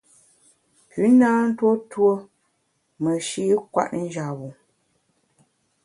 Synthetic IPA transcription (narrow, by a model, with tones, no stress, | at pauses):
pʉ˨˦naː˦n̩˦two˦two˦ | mə˨ʃi˦kwa̰˦ʔn̩˦d͡ʒa˨wu˨